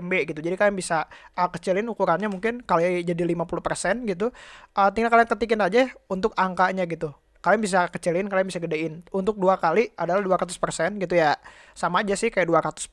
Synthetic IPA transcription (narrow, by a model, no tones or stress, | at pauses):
mbɛɡit̪ud͡ʒadikaljŋbisaəkət͡ʃilɪnukuɾanɲamuŋkɪnkalod͡ʒadilimapuluhpərsɛnɡit̪̬uət̪iŋnakaliŋkət̪ikɪnad͡ʒaunt̪ʊkaŋkaɲaɡit̪u | kalijaŋbis̬akət͡ʃilɪnkalajaŋbisaɡədaɪnunt̪ʊk̚duakaliadalahduaɾat̪ʊspərsɛnɡit̪uja | samaːd͡ʒasɪhkajaʔduaɾat̪ʊ̥s